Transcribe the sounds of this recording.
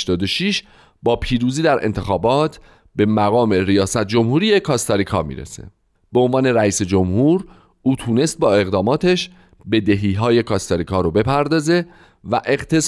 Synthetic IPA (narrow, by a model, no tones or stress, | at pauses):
ʃt̪ɒːd̪oʃiʃ | bɒːpʰiːɾuːziːd̪æɾʔḛnt̪ʰe̞xɒːbɒːt̪ʰ | be̞mæɣɒːmeɾijɒːsæt̪̚ʰd͡ʒo̞mhuːɾije̞kʰɒst̪ɑɾikʰɒ̰ːmḭːɾḛsḛ | b̥eonvɒːne̞ɾæiːse̞d͡ʒo̞mhuːɾ | uːt̪ʰuːne̞st̪̚bɒːe̞ɣd̪ɒːmɒːt̪ʰe̞ʃ | be̞d̪eɦiːɦɒːje̞kʰɒːst̪oɾikʰɒːɾobe̞pʰæɾd̪ɒːze̞ | væʔe̞ɣt̪ʰe̞s